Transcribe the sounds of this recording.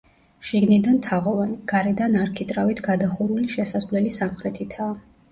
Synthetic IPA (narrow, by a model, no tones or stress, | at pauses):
ʃiɡnid̪ant̪ʰaʁɔvaniɡ̥aɾɛd̪anaɾkʰit̪ʼɾavit̪ʰɡad̪aχuɾuliʃɛsazlɛlisamχɾɛt̪ʰit̪ʰaː